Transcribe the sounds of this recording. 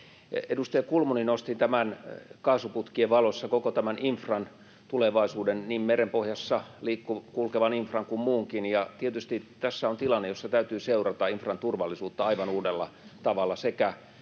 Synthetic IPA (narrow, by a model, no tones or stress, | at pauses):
edust̪ɑjɑkulmuninost̪int̪æmænkɑːsuput̪kieʋʋɑlosːɑkokot̪æmæniɱfrɑn | t̪uleʋɑisuːdenniːmmerempohjɑsːɑliːkːukulkeʋɑniɱfrɑŋkummuːŋkinjɑt̪iet̪yst̪it̪æsːæont̪ilɑnːejjosːɑt̪æyt̪yːseurɑt̪ɑiɱfrɑnt̪urʋɑlːˑisuːt̪ːɑɑiʋɑnuːdelːɑ̰t̪ɑʋɑlːˑɑsekæ